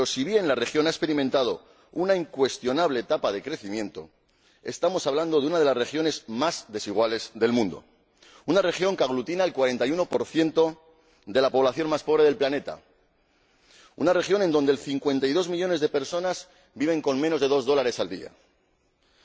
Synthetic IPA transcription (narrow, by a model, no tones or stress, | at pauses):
eo̞siβjenlare̞xjo̞naespe̞ɾimẽnt̪að̞o̞̰ | unaiŋkwe̞st̪jo̞naβle̞ːt̪apaðe̞kɾe̞θimjẽ̞nt̪o̞̰ | e̞̰st̪amo̞saβland̪oðeunað̞e̞lazre̞xjo̞ne̞zmazðe̞siɣ̞wale̞zðe̞lmũnd̪o̞̰ | unare̞xjo̞ŋkeaɣ̞lut̪inaelkwaɾe̞nt̪ajuno̞po̞ɾθje̞nt̪o̞ | ðe̞lapo̞β̞laθjo̞nmaspo̞βɾe̞ð̞elplane̞t̪a̰ | ṵnare̞xjo̞ne̞nd̪ond̪elθiŋkwe̞nt̪ajðo̞zmiʎo̞ne̞zðe̞pe̞ɾso̞naz̥ | biβ̞e̞ŋko̞nmẽ̞no̞zðe̞ðo̞zðo̞laɾe̞sald̪ḭa̰